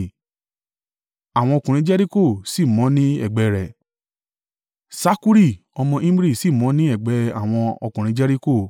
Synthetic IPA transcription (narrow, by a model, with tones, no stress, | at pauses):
a˨w̃ɔ̃˧kũ˨ɾ̃ĩ˧˦d͡ʒɛ˦ɾi˦ko˦˨si˦˨mɔ̃˨˦nĩ˦ɛ̰˦˨ɡ͡bɛ˧ɾɛ˨ | sa˦ku˦ɾi˦˨ | ɔ˧mɔ̃˧ʔĩ˦m˦ɾi˦˨si˦˨mɔ̃˨˦nĩ˦ɛ˦˨ɡ͡bɛ˨˧˦a̰˨w̃ɔ̃˧ɔ˧kũ˨ɾ̃ĩ˨˦d͡ʒɛ˦ɾi˦ko˦˨